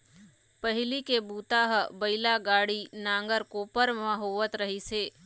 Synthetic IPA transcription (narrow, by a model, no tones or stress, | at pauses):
pɐɦɪlikebuːt̪aɦbɐɪlaɡaːɽinãːŋɡəɾkoːpəɾmɐɦoːʋət̪ɾɐɦiseː